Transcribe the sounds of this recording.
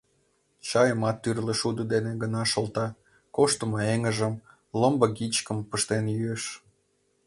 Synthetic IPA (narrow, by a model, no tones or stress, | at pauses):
t͡ɕɑjəmɑt̪ːyrlĕʃud̪əd̪eneɡənɑʃolt̪ɑ | koʃt̪əmɑeŋəʒəm | ləmbɤ̆ɡit͡ɕkəmpəʃt̪enjyeʃ